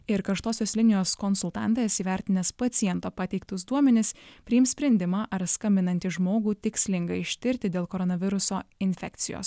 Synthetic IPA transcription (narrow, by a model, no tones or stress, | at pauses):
ɪɾkɐʃt̪oːsʲoːslʲɪnʲɪjoːskɔnsʊlˠt̪ɑ̰ˑnˑt̪ɐsiːʋʲæˑɾʲt̪ʲɪnʲɐspɐt̪sʲɪjɛnt̪oːpɑːt̪ʲɛɪk̚t̪ʊsd̪uɔmʲɛnʲɪsppʲɾʲɪjɪmsʲpʲɾʲɛnʲd̪ʲɪmɑːʔɐɾskɐmʲbʲɪnɐnʲt̪ʲɪʒmoːɡuːt̪ʲɪksʲlʲɪŋɡɐɪɪʃʲt̪ʲɪɾʲt̪ʲɪd̪ʲeːlˠkoːɾɔnɐʋʲɪɾʊsoːɪnʲfʲɛkt̪sʲɪjo̰ːs